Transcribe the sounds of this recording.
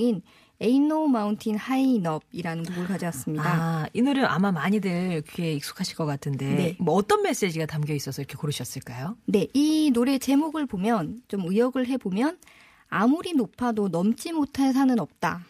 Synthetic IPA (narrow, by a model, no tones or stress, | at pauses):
in | e̞inomauntʰinhainʌb̚iɾanɯnmuɡɯɭkad͡ʑʌas͈ɯmɲidainɯɾɯnʔa̰mamaɲideɭkʰeik̚s͈u̥kʰaɕʰiɭk͈ʌk͈atʰɯnde̞ne̞mʌːt͈ʌnme̞s͈e̞d͡ʑiɡatamɡjʌis͈ʌsʰʌiɾʌkʰe̞koɾɯɕʰʌs͈ɯɭk͈ajone̞inoɾe̞t͡ɕe̞moɡɯɭpomjʌnt͡ɕomɯjʌɡɯɭɦe̞bomjʌn | amuɾinopʰadonʌmt͡ɕ͈imotʰas̬ʰanɯnʌp̚t͈a̰